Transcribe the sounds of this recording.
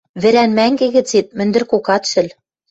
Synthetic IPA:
βɘ̆ɾænmæŋɡĕɣɘ̆t͡set̪̚mɘ̆nd̪ɘ̆rkokɑt̪ʃɘ̆l

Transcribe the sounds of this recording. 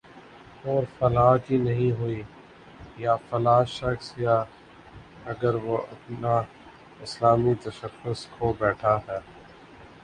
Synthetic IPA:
ɔːɾfɐlaːkinɐɦĩɦʊi | jaːfɐlaːʃɐxsjaː | ɐɡəɾʋoʔɐpna | ɪslaːmit̪ɐʃəxʊskʰobɛːʈʰaɦɛː

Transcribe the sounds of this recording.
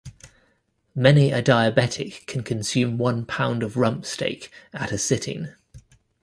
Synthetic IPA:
mɛniədaɪəbɛtʰɪkʰə̃nkʰə̃nsjʉ̃ːmwʌ̃npʰãʊ̃ndəvɹʌ̃mpstḛɪkətəsɪtʰɪ̰̃ŋ

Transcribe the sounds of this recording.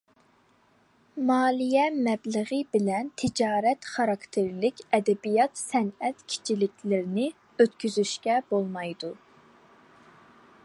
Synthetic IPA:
mɑːlˠijɛmɛbləʁɨbɪlɛnt̪ʰɪd͡ʒɑːɾɛt̪χɑɾɑkt̪ʰeɾlɪkʲɛd̪ɛbijɑt̪sɛnɛt̪kʲʰi̥t͡ʃʰilɪkʲʰlɪɾɪnɪ | øt̪kʲyzyʃkʲɛbolˠmɑjd̪u

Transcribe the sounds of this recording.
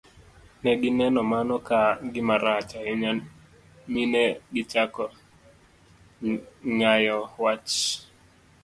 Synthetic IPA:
nɛɡɪnɛnɔmanɔkaɡɪmaɾat͡ʃaɛ | minɛɡɪt͡ʃakɔ | ŋajɔwat͡ʃ

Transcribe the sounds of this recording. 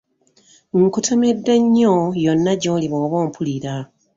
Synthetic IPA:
ŋkutʰomedːeɲːojonːaɟo̞ːliβoːβoːmpʰuliɾa

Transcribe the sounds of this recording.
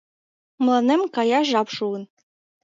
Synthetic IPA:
m̆lˠɑnemkɑjɑʒɑpʃuɤn

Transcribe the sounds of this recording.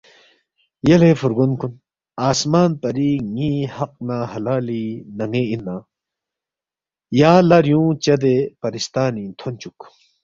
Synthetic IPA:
jɐlefuɾɡunkun | aːsmaːnpɐɾiŋihɐq̚nahɐlaːlinɐŋɡeinːaː | jaːlɐɾjũːt͡ɕɐd̪epɐɾist̪aːnĩt̪ʰont͡ɕuk

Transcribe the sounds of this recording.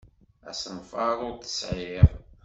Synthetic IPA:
æ̰sənfɑɾˤʊɾθə̥sʕɪʁˤ

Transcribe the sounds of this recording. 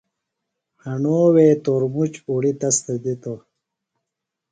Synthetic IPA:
hɐɳoːweːt̪oɾmut͡ɕuɽit̪ɐst̪ɐd̪it̪o

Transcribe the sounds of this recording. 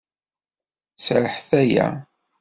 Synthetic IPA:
sɾəħθæjæ̰

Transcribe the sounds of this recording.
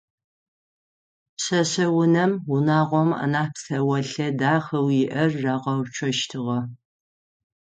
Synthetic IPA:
pɕɐɕɐwʊnɐmwʊnaːʁʷɔma̰naːpsɐwɐɬɐdaːχɐwjɪʔɐrːaːʁɐwt͡ʃʷʰɔʃtʰɨʁɐ

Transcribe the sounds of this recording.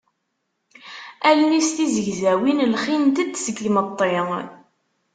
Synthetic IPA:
ælnist̪izəʝzæwinlχint̪əd̪səɡmət̪ˤːe

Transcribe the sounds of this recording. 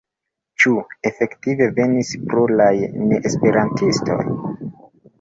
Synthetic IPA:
t͡ʃue̞fe̞ktive̞ve̞nispɾolajne̞ʔespe̞ɾantʰisto̞̰j

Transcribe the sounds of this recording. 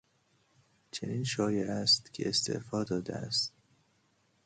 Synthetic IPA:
t͡ʃʰeniːnʃɒːjeʔæst̪cʰḛest̪ʰe̞̰ʔfɒːd̪ɒːd̪ḛæ̰st̪̚

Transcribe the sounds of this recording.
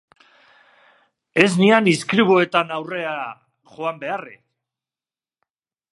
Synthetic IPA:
e̞znianiskɾiβoe̞t̪anawre̞a | ʝo̞ambe̞arḛ

